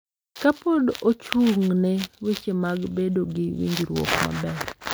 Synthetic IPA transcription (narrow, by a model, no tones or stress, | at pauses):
kapodot͡ʃuŋnɛwet͡ʃemaɡbedoɡɪwḭŋɡiɾwo̰kma̰bɛɾ